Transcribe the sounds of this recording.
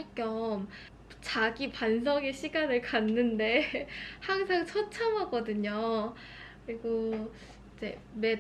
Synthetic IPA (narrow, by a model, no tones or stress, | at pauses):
ɭk͈jʌm | t͡ɕaɡipans̬ʰʌŋeɕʰiɡanɯɭkanːɯnde̞haŋs̬ʰaŋt͡ɕʰʌt͡ɕʰamɦaɡʌdɯɲo | kɯɾiɡo | id͡ʑe̞ | me̞